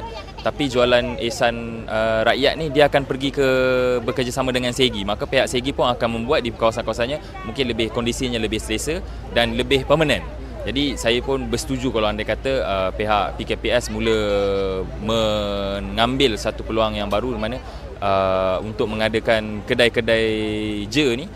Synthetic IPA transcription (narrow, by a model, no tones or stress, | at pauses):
t̪apid͡ʒualanesanəɾaʔjat̪̚nihdiəakanpərɡikəbəkərd͡ʒasamãdəŋanseɡimakapeɦaʔseɡipʊnakanmə̃mbuat̪̚dikawasankawas̬anɲa | mũŋkɪnləbɪhkɔndisiɲãləbɪhsəlesə | danləbɪhpərmənãn | d͡ʒadisajəpʊnbərsə̥t̪ud͡ʒukalawandajkat̪əəpeɦaʔpikepiɛsmũlə | mə̃ | ŋambɪlsat̪upəluaŋjaŋbaɾudimanə̃ | ʔəunt̪ʊk̚mə̃ŋadəkankədajkədajd͡ʒənih